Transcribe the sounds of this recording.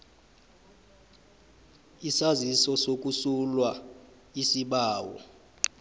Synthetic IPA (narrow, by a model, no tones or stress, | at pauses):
isazisɔsok̬ʼusulwa | isiɓaːwɔ̰